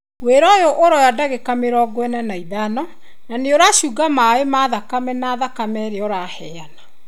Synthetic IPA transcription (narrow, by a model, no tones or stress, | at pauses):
weɾɔjoʔoɾɔjadaɣekameɾɔɡwɛnɛnaiðanɔ | naneoɾaɕuːɡamaemaːðakamɛnaːðakamɛɾeɔɾahɛjana